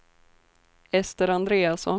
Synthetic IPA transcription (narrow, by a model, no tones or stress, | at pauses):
ɛst̪əɾand̪ɾeːasɔn